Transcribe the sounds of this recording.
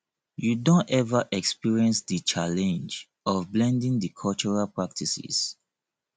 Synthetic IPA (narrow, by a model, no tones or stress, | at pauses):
judõntɛvaʔɛkspiɹiɛ̃nsdət͡ʃalɛ̃nd͡ʒ | ɔvblɛ̃ndĩŋdəkʰɔlt͡ʃɔɹalpɹak̚tʰisḭs